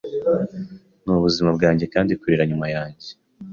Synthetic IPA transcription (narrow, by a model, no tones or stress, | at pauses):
nuβuzimab̚ɡaːɲɟe̞kaːndikuɾiɾaɲumajaːɲɟe